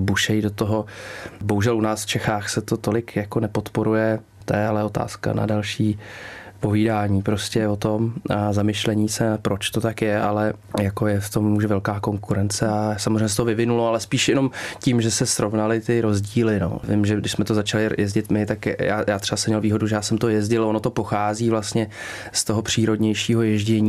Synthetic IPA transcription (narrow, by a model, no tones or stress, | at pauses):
buʃɛjidot̪oɦo̞boɦuʒɛlunaːsft͡ʃɛxaːxsɛt̪ot̪o̞lɪkjako̞nɛpo̞t̪po̞ɾujɛ | t̪ɛɛalɛot̪a̰ːska̰na̰dalʃiːpo̞viːdaːɲiːpɾoscɛvot̪o̞mazamɪʃlɛɲiːsɛpɾo̞t͡ʃt̪ot̪akjɛʔalɛ | jako̞jɛft̪o̞mːuʒɛvɛlkaːko̞ŋkuɾɛnt͡sɛasamozrẽjɲɛsɛt̪ovɪvɪnuloalɛspiːʃjɛno̞mcimʒɛsɛsɾʔo̞vnalɪt̪ɪɾo̞zɟiːlɪno̰vɪmʒɛdɪʃsmɛt̪o̞zat͡ʃalɪjʔɛzɟɪt̪mɪt̪akjaːjaːt̪r̥ɛbasɛmɲɛlviːɦo̞duʒɛjaːsɛmt̪o̞jɛzɟɪlonot̪o̞po̞xaːziːvlast̪ɲɛ | st̪oɦo̞pr̝̥iːɾo̞dɲɛjʃiːɦo̞jɛʒɟɛɲiː